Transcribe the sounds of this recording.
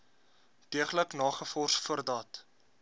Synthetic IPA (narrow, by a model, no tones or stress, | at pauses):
d̥iəχləknɑːχəfɔrsfuərdɑt